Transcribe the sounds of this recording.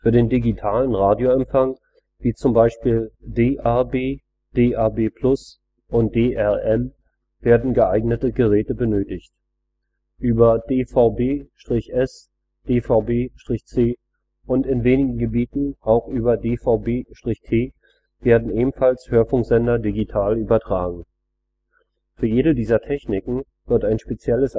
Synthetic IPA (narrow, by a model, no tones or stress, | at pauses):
fyːɐdeːndiɡitʰaːlənʁaːdjoɛmfaŋ | viːt͡sʊmbaɪʃpiːldeːʔɛɐbeː | d̥eːʔɛɐbeːpʰl̥ʊs | ʔʊnt̚d̥eːʔɛʔɛm | v̥eːɐdn̩ɡəʔaɪɡnətəɡəʁɛːtəbənøːtɪçt | ʔyːbɐd̥eːfaʊbeːʃtʁ̥ɪçʔɛs | d̥eːfaʊbeːʃtʁ̥ɪçt͡seː | ʔʊntɪnveːnɪɡŋ̩ɡəbiːtn̩ʔaʊxʔyːbɐdeːfaʊbeːʃtʁ̥ɪçtʰeː | v̥eːɐdn̩ʔeːbm̩falshøːɐfʊŋkz̥ɛndɐdiɡitʰaːlyːbɐtʁ̥aːɡŋ̩ | fyːɐjeːɾədiːzɐtʰɛçnɪkŋ̩ | vɪɐtaɪnʃpet͡sjɛləs